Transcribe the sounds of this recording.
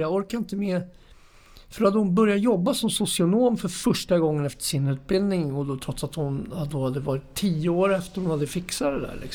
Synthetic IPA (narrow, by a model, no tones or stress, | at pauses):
jɑːɡɔɾkaɪnt̪əmeː | fœɾhad̪əhʊnbœɾjat̪jɔbːasɔmsʊsɪʊnoːmfœɾfœʂʈaɡɔŋːənɛft̪ə̥ʂɪnʉ̟ːt̪̚bɪld̪nɪŋɔd̪ot̪ʰɾɔt̪sat̪hʊnhad̪ːohad̪ːəvɑːɾɪt̪ʰːiːəoːɾɛft̪əɾhʊnhad̪ːəfɪksad̪ɛd̪æ̰ːɭʔɪ̰ks